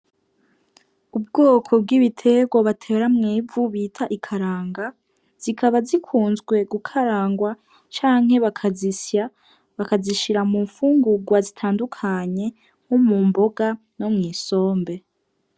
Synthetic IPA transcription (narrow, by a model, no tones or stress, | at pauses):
ub̚ɡoːkʰo̞b̚ɡiβitʰe̞ɡwaβatʰe̞ːɾamŋiːvuβitʰaʔikʰaɾaːŋɡa | z̥ikʰaβazikʰuːnzɡwe̞ɡukʰaɾaːŋɡwa | t͡ʃaːŋ̥he̞βakʰazisja | βakaziʃiɾamuːɱfuːŋɡuɡwazitʰaːndukʰaɲe̞ | homuːmbo̞ɡa | nomŋiːso̞ːmbe